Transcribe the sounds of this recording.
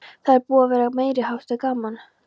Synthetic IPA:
θaðɛɾpuːavɛːɾameːjɾɪhawst̪aðkaːman

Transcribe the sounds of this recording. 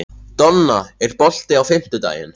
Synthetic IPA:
t̪ɔnːaɛɾpɔl̥t̪ɪawfɪm̥t̪ʏt̪a̰ːjɪ̰n

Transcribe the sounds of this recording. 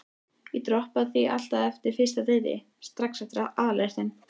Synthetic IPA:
it̪ɾɔhpaðθiʔal̥t̪aðɛft̪ɪɾ̥fɪ̥st̪at̪eːjðɪ̰ | st̪ɾaksat̪ɾaʔaðler̥t̪ɪn

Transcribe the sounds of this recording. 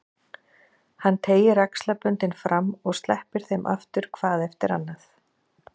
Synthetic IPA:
hanːt̪ʰeːjɪɾakslapʏnt̪ɪnfɾamːɔɣst̪lɛhpɪɾ̥θejmʔa̰ft̪ʏɾ̥kʰvaːðɛft̪ɪɾa̰nːaθ

